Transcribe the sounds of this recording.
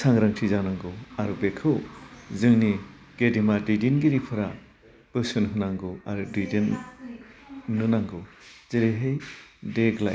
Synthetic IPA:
saŋɾaŋtʰizanaŋɡɯaɾubekʰɯwzɯŋni | ɡ̥edimadidinɡiɾipʰɯɾa | b̥ɯsɯnɦɯnaŋɡɯaɾudidin | ɯnaŋɡɯwzeleɦejdeɡla̰j

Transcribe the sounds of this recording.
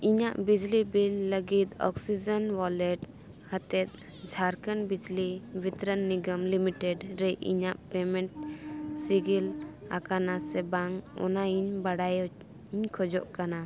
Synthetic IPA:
iɲaʔbid͡ʒlibilːəɡit̪̚ɔ̰ksid͡ʒənwɔlɛʈ | hat̪ɛt̪̚ | d͡ʒʱaɾkənbid͡ʒlibit̪ɾənːiɡəmlimiʈɛɖɾɛʔḭɲaʔpɛmɛ̃ɳʈsiɡila̰kanasɛbaŋɔ̰naiɲbaɽaj | ɲkʰɔd͡ʒɔʔkana

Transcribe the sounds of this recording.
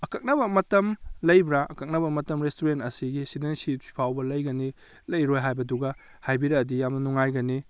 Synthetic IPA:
ɐkɐk̚nɐbɐmɐtɐmlɐjbɾaʔɐkɐk̚nɐbɐmɐtɐmɾestuɾentɐsiɡisidensip̚pʰawbɐlɐjɡɐni | lɐjɾojɦajbɐduɡɐ | hajbiɾɐːdijamnɐnuŋajɡɐni

